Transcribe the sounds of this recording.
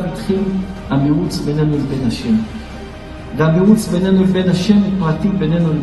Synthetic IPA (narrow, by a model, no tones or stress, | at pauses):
mitχilamiʁut͡sbenenulebenhaʃem | vamiʁut͡sbenenulebe̞nhaʃempʁatibene̞nul